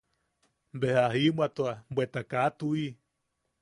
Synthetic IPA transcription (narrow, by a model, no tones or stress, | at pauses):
mbehaɦimat̪oambʷwet̪akat̪ui